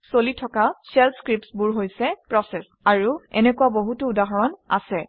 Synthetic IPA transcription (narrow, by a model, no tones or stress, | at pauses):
solitʰɔkasɛlpskɹipsbuɹɦojsɛpɹɔsɛs | aɹuɛ̰nɛkuwaboɦutʊudaɦɔɹɔna̰sɛ